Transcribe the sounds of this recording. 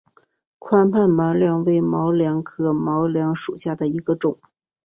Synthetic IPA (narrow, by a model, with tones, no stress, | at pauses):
kʰwa˥npʰa˥˩nma˧˥ljɑ˧˥ŋwe˧˥ɪmɑ˧˥ʊljɑ˧˥ŋkʰɤ˧˥mɑ˧˥ʊljɑ˧˥ŋʂu˨˩ɕja˥˩d̪ə˩i˧˥ɡə˧ʈ͡ʂʊ˨˩˦ŋ